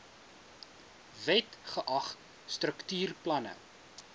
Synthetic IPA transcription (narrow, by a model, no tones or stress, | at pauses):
vɛtχəʔɐχt | strəktyːrplɐnə̰